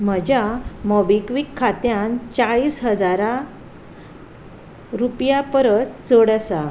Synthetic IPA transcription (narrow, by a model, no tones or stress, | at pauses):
m̤əd͡ʑjamɔbikʋikʰːat̪jant͡saɭiːsɦəd͡zaɾa | ɾupjapəɾətt͡səɽəsa